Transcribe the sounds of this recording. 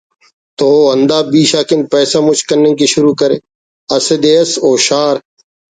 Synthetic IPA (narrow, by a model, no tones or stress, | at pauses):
t̪oːənd̪aːbiːʃaːkɪnpɛːsaːmʊt͡ʃkənːẽːkiʃʊɾuːkəɾeː | ɐsəd̪eːəsoːʃaːɾ